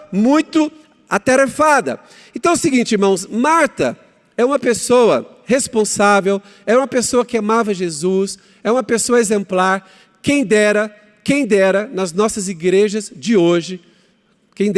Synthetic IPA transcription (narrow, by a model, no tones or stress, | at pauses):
mũj̃t̪ʊ | at̪eɾefad̪ɐ̰ | ẽt̪ɐ̃w̃ʊsɪɡĩnt͡ʃɪiɾmɐ̃w̃smaɾt̪ɐ̰ | ɛũmɐpesowɐ̰ | hespõsavew | ɛɾɐũmɐpesoɐkɪamavɐʒezus | ɛũmɐpesoɐezẽmplaɾ | kẽj̃d̪ɛɾɐ | kẽj̃d̪ɛɾɐnɐznɔsɐziɡɾeʒɐzd͡ʒɪoʒɪ | kẽj̃d̪